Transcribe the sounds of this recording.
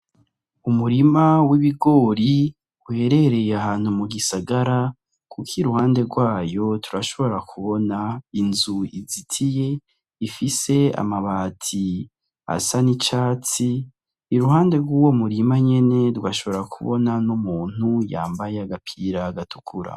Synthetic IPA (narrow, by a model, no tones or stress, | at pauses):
umuɾimawiβiɡo̞ːɾi | uhe̞ɾe̞ɾe̞jeahaːn̥humuɡisaɡaɾa | kukʰiɾuhaːnde̞ɾɡwaːjo̞tʰuɾaʃo̞βo̞ɾakʰuβo̞nainzuizitʰije̞ | ifise̞a̰maβaːtʰi | a̰sanit͡ʃaːt͡si | iɾuhaːnde̞ɡwuːwo̞muɾimaɲe̞ne̞tɡwaʃo̞βo̞ɾakʰuβonanumuːn̥huja̰ːmbajeaɡapʰiːɾaɡatʰu̥kʰuɾa̰